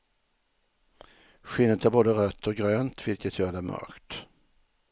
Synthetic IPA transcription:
ɧɪlət̪ʰæɾboːd̪əɾœt̪ʰːɔɡɾøːnt̪vɪlkət̪jɑːhad̪əmœ̰ɾkt̪

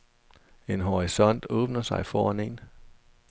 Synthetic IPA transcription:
e̝nɦoʁisɒ̽n̰d̥ɔ̽ːb̥nɐsɑ̈ɪfɒːæne̝n

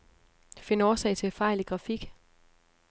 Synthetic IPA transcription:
fe̝nəɒːsɛ̰ɪt͡sʰe̝fɑ̈ɪ̰liɡ̥ʁɑ̈fiɡ̥

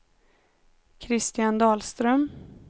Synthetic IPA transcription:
kʰɾɪst̪ɪand̪ɑːlst̪ɾœm

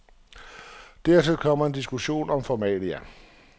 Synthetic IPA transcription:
d̥æɐt͡sʰe̝ðˠkʰɒ̽m̰ɐe̝nd̥isɡ̥uɕo̝̰ːnɒ̽mfɒmɛ̰ːliæ

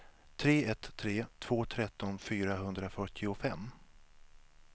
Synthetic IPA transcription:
t̪ʰɾeːɛt̪ʰːɾeːt̪ʰv̥oːt̪ʰɾɛt̪ːɔnfyːɾaɦɵnd̪ɾafœʈʰːɪʊfɛmː

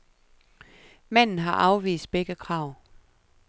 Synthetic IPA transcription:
mæn̰n̩ɦɑ̈ʔɑ̈ʊʋḭːsd̥̚b̥eɡ̥əkʰʁɑ̈ʊ̰

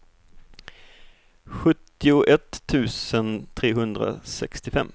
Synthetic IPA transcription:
ɧɵt̪ːɪʊʔɛt̪ʰːʉ̟ːsənt̪ʰɾeːɦɵnd̪ɾa̰sɛ̰kst̪ɪfɛmː

